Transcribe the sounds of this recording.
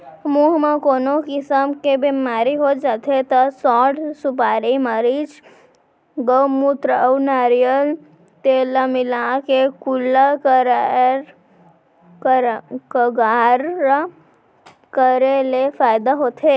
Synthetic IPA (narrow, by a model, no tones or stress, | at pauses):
muɦmekoːnokɪsəmkebemaːɾiɦod͡ʒaːt̪ʰet̪əsɔːʈsupaːɾiməɾit͡ʃ | ɡəwmut̪ɾəwnaːɾijəl | t̪elamɪlakekulːakɾɾ | kəɡaɾ | kəɾelefaːjd̪aɦoːt̪ʰe